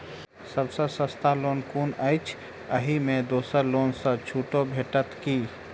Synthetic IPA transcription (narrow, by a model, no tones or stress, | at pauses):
səbsə̃sə̃st̪aloːnkunəɪt͡ʃʰ | əɦimẽd̪oːsəɾloːnsə̃t͡ʃʰuːʈobʱeʈət̪ki